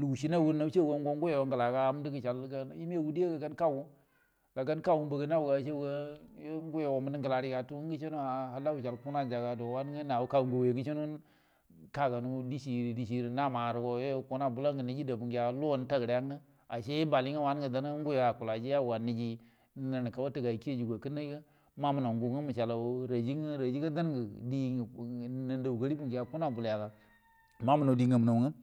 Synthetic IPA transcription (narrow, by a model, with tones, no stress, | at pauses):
lu˨u˨ʃi˦na˦˨wu˦nːa˦t͡ʃe˦˨wo˦ŋɡo˦ŋ˦ɡu˦je˨wo˨˦ŋɡə˨la˨ka˦a˦m˦di˦ɡə˨t͡ʃa˨lɡa˦n˦ji˦m˦e˦˨wu˦di˦e˦ɡa˨ɡa˦nka˦wu˦ | ɡ̥a˨ɡa˦n˦ka˦wu˦m˦bə˨ɡə˦n˦a˦wu˨ɡa˨ʃe˦ə˦ŋɡu˦je˨wo˨mə˦di˦ŋɡə˨la˨ɾi˦ka˨tu˦ŋɡə˦t͡ʃe˦nu˦a˨ha˨la˦wu˨t͡ʃa˨lpu˦na˦˨d͡ʒa˨ɡa˨do˨wa˦n˦ŋe˦na˨wu˦ka˦wu˨ŋɡo˨we˨ɡə˦t͡ʃe˦nu˦ | ka˦˨ka˨nu˦di˦ʃi˨ɾi˨di˨ʃi˨ɾi˨na˦˨ma˨ɾu˨ɡo˨je˦˨ku˦na˦˨bu˦la˦ŋɡə˨ni˦d͡ʒi˦da˨bu˨ŋɡa˨˦lo˦˨n˦ta˦˨ɡɾja˦ŋə˦ | a˨ʃe˦ba˨li˦ŋa˦wa˦n˦ɡə˨da˦n˦ŋ˦ɡu˦ja˨ku˨la˨d͡ʒi˦a˦˨wa˨ni˨d͡ʒi˦ | nə˨n˨ka˨wa˦tə˨ɡa˨i˨ki˦e˦˨d͡ʒi˨ɡa˨kə˦na˦ɡə˦ | ma˦mu˨na˨ŋɡu˨ŋə˦mu˨ʃa˨la˨˦ɾa˨d͡ʒi˦ŋ˦ɾa˨d͡ʒi˦ɡə˦da˦n˦ɡə˨di˦˨nə˨nda˨u˨ɡə˦ɾi˦bu˨ŋɡja˨ku˦na˨bu˨lja˨ɡa˨ | ma˦mu˦na˨di˨ŋə˨mu˨no˨ŋə˦